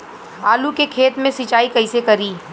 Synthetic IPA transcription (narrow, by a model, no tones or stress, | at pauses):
aːlukekʰeːt̪mẽsit͡ʃaːikɐɪsekɐɾiː